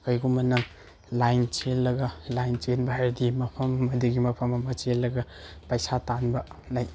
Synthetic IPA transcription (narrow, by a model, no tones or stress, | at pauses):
kɐjɡumɐnɐŋ | lajnt͡ʃelːɐɡɐlajnt͡ʃenbaɦaɾdimɐpʰɐmɐmɐdiɡimɐpʰɐmɐmɐt͡ʃelːɐɡɐ | pɐjsatanbɐlaj